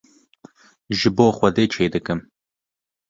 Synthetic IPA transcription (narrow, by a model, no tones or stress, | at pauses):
ʒɨboːxʷɐd̪eːt͡ʃʰeːd̪ɨkɨm